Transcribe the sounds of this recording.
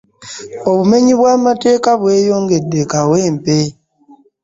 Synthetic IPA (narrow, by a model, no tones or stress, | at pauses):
o̞βume̞ɲiβwaːmate̞ːkaβwe̞ːjo̞ːŋɡe̞dekaweːmpe